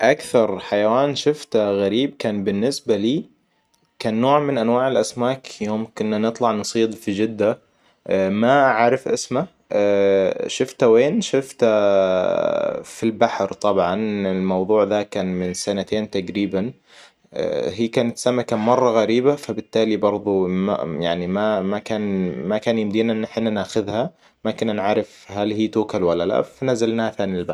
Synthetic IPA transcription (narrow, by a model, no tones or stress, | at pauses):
ʔakθɑɾˤħajawaːnʃʊft̪aɣaɾiːb̚kaːnbɪnːɪsbaliː | kaːnːoːʕmɪnʔanwaːʕɪlʔasmaːkjoːmkʊnːanɨt̪ˤlɑʕnɨsˤiːd̪ˤfid͡ʒɪd̪ːa | maʔaʕaɾɪfʔɪsma | ʃʊft̪aweːnʃʊft̪a | filbaħɾt̪ˤɑbʕɑnɪlmɑwðˤuːʕðakaːnmɪnsanat̪eːnt̪aɡɾiːban̰ | ɦiːkaːnat̪samakamɑrˤːɑɣaɾiːbafabɪt̪ːaːlibɑɾˤðˤuma̰jaʕnimamakaːnmakaːnjɪmd̪iːnaʔɪnːħɪnːanaːxʊðha | makɪnanʕaɾɪfhalhiːt̪uːkalwalːala̰fanazːalnaːhafaːniɪlbaɾ